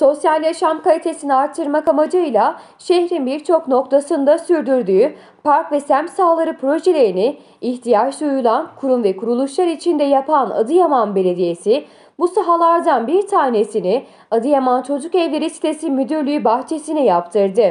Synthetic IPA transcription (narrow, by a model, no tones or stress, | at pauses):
so̞sjalʲjaʃamkalʲit̪ʰe̞siniaɾt̪ʰːɯɾmakamad͡ʒɯjlˠa | ʃeçɾinbiɾt͡ʃʰo̞kno̞kt̪ʰasɯnd̪asyɾd̪yɾd̪yːy | pʰaɾkvɛsæmsaːlˠaɾɯpʰɾo̞ʒe̞lʲe̞ɾiniː | çt̪ʰijat͡ʃd̪ujulˠankʰuɾumvɛkʰuɾulˠuʃlˠaɾit͡ʃʰind̪ɛjapʰana̰d̪ɯjamanbe̞lʲe̞d̪ije̞si | busaɦalˠaɾd̪anbiɾt̪ʰaːne̞sinɪ | ad̪ɯjamant͡ʃʰo̞d͡ʒukɛvlʲeɾisi̥t̪ʰe̞simyd̪yɾlʲyjybaxt͡ʃʰe̞sinɛjapt̪ʰɯɾd̪ɯ